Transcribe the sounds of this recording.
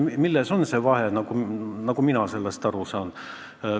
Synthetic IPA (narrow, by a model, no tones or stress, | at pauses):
milːeso̞nse̞vɑɦe̞nɑkunɑɡ̥uminɑse̞lːest̪ɑɾusɑːn